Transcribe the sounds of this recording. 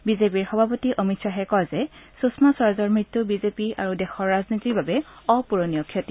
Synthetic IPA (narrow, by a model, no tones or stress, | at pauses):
bizepiɹxɔbʱapotiʔomitsaɦɛkɔjzɛsusmasaɹzɔɹmɹitːubizepia̰ɹudɛxɔɹːaznitikbabɛɔpuɹonijɔkʰːjɔti